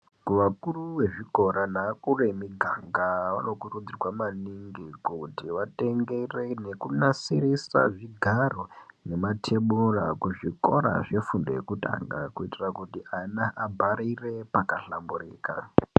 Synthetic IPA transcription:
kuʋakuruwe̞ʐiɡʱo̞ɾanakuremiɡʱaŋɡaʋa̰no̞kurud͡zirwamaniŋɡikutiʋate̞ŋɡere̞ne̞kunasirisa̰ʐiɡʱaro̞ne̞matʰe̞ɓurakuʐiko̞ɾa̰ʐe̞fundojekuta̰ŋɡa̰kuitirakutiʔanaʔabʱaɾire̞pakaɬamburiːka̰

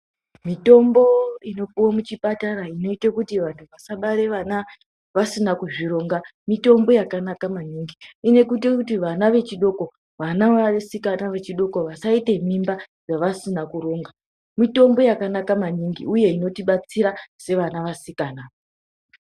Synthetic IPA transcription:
mito̞mbo̞ino̞kuwomut͡ʃipataɾaino̞itakutiʋantʰuʋasaɓaɾe̞ʋana | ʋasinakuʐiɾo̞ŋɡamito̞mbo̞jakanakamaniːŋɡiine̞kut̬ikut̬iʋanaʋe̞t͡ʃiɗo̞ko̞ | ʋanaʋasikanaʋe̞t͡ʃiɗo̞ko̞ʋasaite̞mimba | ʐaʋasinakuɾo̞ːŋɡa | mito̞mbo̞jakanakamaniŋɡḭuje̞ino̞tiɓat͡siɾase̞ʋanaʋasikaːnao

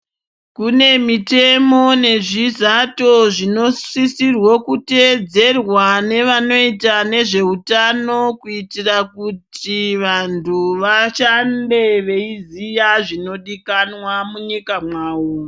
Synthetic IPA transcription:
kune̞mite̞mo̞ne̞ʐizato̞ʐinosisirwokute̞d͡ze̞rwane̞ʋano̞itane̞ʐe̞utano̞kuitirakutiʋantʰuʋaʃande̞ʋe̞izijaʐino̞ɗikanwamuɲikamwaːwo

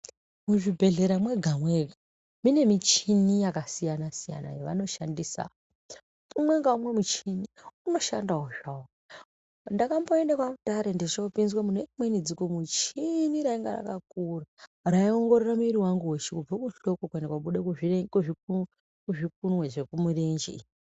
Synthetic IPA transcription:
muʐibʱe̞ɮe̞ɾamwe̞ɡʱamwe̞ɡʱa | mine̞mit͡ʃinijakasijanasija̰na̰jeʋano̞ʃandisa̰ | umwe̞ŋɡaumwe̞mut͡ʃiniuno̞ʃa̰ndaɦoʐaw | ndakamboendakwakutaɾendet͡ʃoupinzwamunekmwenid͡zikomut͡ʃiniɾaiŋɡa̰ra̰kak̚uraraio̞ŋɡo̞ɾeramuiɾiwaŋɡuweʃikub͡vakuɬo̞kokue̞ndakwaɓuɗekuiekuʐiu | kuʐik̚unwe̞ʐe̞kumurend͡ʒḛ

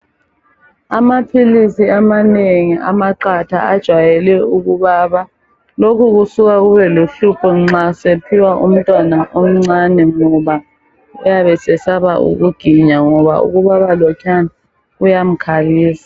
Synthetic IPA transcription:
amapʰilisiamaneŋiʔa̰maǃatʰa̰ad̥ʒ̥ʱwajɛlɛuɣuβaːβa | lokʰuɣusuɣaɣuβɛluɬupʰɔŋ͡ǁasepʰiwaʔṵm̩tʼwanaʔom̩ŋ͡ǀanɛŋɔβa | ṵjaβɛsɛsaβa̰ʔṵɣuɡ̥ʱiɲaŋɔβa̰ṵɣuβaβalɔkʰana | ɣujam̩kʰaɣiːsḁ

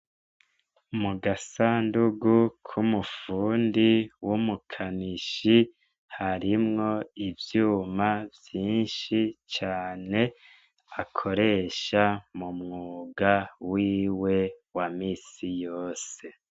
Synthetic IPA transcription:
muɡasaːnduɡukʰumufuːndiwumukʰaniʃi | haɾimŋo̞ivjuːmavjiːnʃit͡ʃaːne̞ | akʰo̞ɾe̞ʃamumŋuːɡawiːwe̞wamiːsijoːse̞

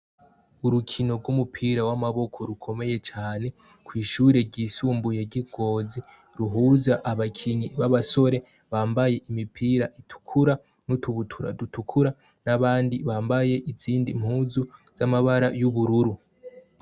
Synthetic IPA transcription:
uɾukʰino̞ɾɡumupʰiːɾawamaβo̞kʰo̞ɾukʰo̞me̞je̞t͡ʃaːne̞ | kʰwiːʃuːɾe̞ɾɟiːsuːmbujeɟiɡ̥o̞ːzi | ɾuɦuːzaʔaβakʰiɲiβaβaso̞ɾe̞ | βaːmbaje̞ʔimipʰiːɾaʔitʰu̥kʰuɾa | nutʰuβutʰuɾa̰dutʰukʰuɾa | naβaːndiβaːmbaje̞ʔiziːndim̥huːzuz̥amaβaɾajuβuɾuɾu

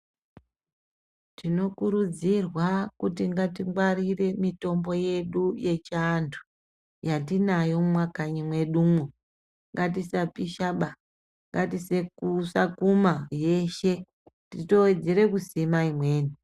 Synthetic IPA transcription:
tino̞kuɾud͡zirwakutiŋɡatiŋɡwarire̞mito̞mbo̞je̞ɗuje̞t͡ʃantʰu̥ | jatinajo̞mwakaɲimwe̞ɗumwo | ŋɡatisapiʃaɓa | ŋɡatise̞kusakumaje̞ʃe̞ | tito̞wed͡zeɾe̞kusimaimwe̞ːni

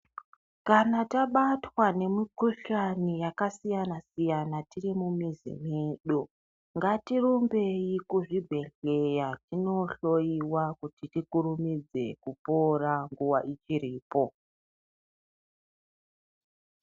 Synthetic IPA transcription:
kanataɓatwane̞mikuʃanijakasijanasijanatirimumizḭmeːɗo | ŋɡatirombe̞jikuʐibʱe̞ɬe̞jatino̞ɬo̞iwakutitikuɾumid͡ze̞̰kuporaŋɡuwaʔit͡ʃiɾiːpo̞

